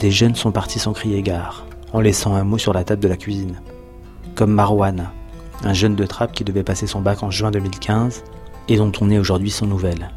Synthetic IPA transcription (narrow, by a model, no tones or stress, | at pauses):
d̪̥eʒənsɔ̃paʁt̪isɑ̃kχieɡaːʁ | ɑ̃lɛsɑ̃ɛ̃mosyʁlat̪abd̪əlakʲɥizin | kɔmːaʁwan | ɛ̃ʒənd̪ət̪χap̚kʲid̪əvɛpasesɔ̃bakɑ̃ʒɥɛ̃d̪əmilkʲʰɛ̃z | ed̪ɔ̃t̪ʰɔ̃nɛoʒuʁd̪ɥisɑ̃nuvɛl